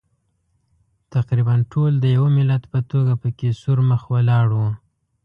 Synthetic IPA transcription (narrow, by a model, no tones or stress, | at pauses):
t̪aqɾibanʈʰold̪əjawamɪlad̪pət̪oɡapəkesuɾməxwalɑɽwu